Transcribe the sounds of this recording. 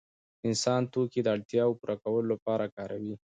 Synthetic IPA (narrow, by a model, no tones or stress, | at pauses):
ɪnsɑnt̪oked̪əaɽt̪jɑwopuɾʔakawəlolapɑɾakɑɾʔawi